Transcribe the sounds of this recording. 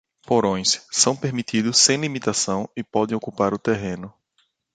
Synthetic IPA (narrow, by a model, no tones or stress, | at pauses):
poɾõj̃sːɐ̃w̃peɾmit̪id̪ʊsːẽj̃limit̪asɐ̃w̃ɪpɔd̪ẽj̃okupaɾʊt̪eɦẽnʊ